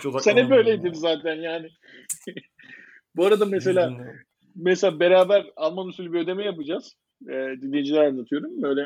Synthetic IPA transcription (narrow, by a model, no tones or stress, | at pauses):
senibø̞jlʲeid̪imzaːt̪ʰænjaːnɪ | buaɾad̪ames̬e̞lʲaː | meselʲaːbe̞ɾaːbæɾalˠmanusylʲybiød̪e̞mɛjapɯd͡ʒaz̥ | ɛd̪inːʲejid͡ʒilʲæɾanːat̪ʰɯjo̞ɾumbø̞jlʲɛ